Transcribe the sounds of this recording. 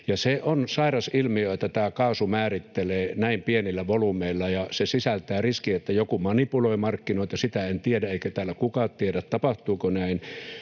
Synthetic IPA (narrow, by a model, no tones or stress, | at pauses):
jɑseonsɑirɑsilmioet̪ːæt̪æːkɑːsumæːrit̪ːeleːnæimpienilːæʋolumeilːɑjɑsesisælt̪æːriskiet̪ːæjokumɑnipuloimɑrkːinoˑit̪ɑsit̪æent̪iedæeˑikæt̪æːlːækukɑtt̪iedæt̪t̪ɑpɑht̪uːkonæin